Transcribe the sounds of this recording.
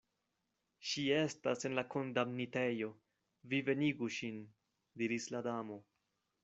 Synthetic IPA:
ʃie̞stase̞nlako̞ndamnite̞jo̞ | vive̞niɡuʃin | diɾisladamo̞

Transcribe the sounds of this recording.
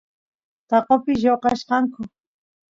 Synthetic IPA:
t̪ɑqopɪjoqɑʃqɑŋkʊ

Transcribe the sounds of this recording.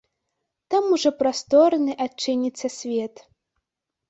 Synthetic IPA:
t̪amuʐɔpɾast̪ɔɾnɨʔat͡ʂːɨnʲit̪sːɐsʲvʲɛt̪

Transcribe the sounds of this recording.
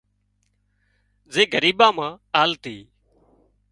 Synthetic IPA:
zeːɡəɾiːɓãːmãːaːlt̪ḭː

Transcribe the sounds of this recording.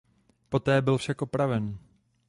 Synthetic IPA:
po̞t̪ɛːbɪlfʃakʔopɾavɛn

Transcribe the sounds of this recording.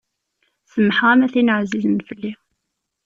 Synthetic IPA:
səmːħʁæmæθinəʕzizənfəlːi

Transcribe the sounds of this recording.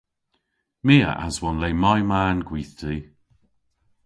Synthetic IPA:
miːə̰ʔa̰zwɔnlejmajmaːnɡwiːθdʰiː

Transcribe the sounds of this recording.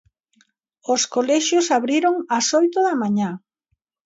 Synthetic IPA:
oskolɛʃjosaβɾiɾoŋɐsojt̪oðɐmaɲa

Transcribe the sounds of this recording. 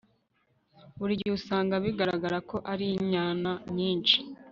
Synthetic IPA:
βuɾiɟɟiusaːŋɡaβiɡaɾaɡaɾako̞ʔaɾiɲaːnaɲiːnt͡ʃi̥

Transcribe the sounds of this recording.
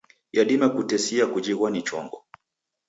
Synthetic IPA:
jaɗimakutɛsiakud͡ʒiɣwanit͡ʃɔ̰ŋɡɔ

